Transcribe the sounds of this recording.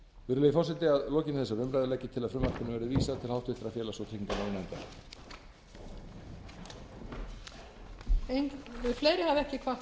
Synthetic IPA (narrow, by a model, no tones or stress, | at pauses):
vɪɾʏlejfɔrsɛt̪ɪaðlɔːcɪnθɛsːavʏmɾajðlɛjcːɪt̪ʰɪlaðfɾʏmvḁkʰʏnʏmvɛɾʏviːsaðt̪ʰɪlhawht̪ʰʏht̪ɾaðfjɛːlasɔt̪ʰɪkŋk̪ananɛnt̪a | ejŋɪfleːjɾɪhavɛhcɪkʰva